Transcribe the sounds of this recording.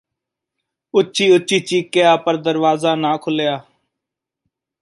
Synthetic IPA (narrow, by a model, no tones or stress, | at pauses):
ʊtːʃʰiːʊtːʃiːt͡ʃiːkejaːpəɾd̪əɾʋaːzaːnãːkʰʊlejaː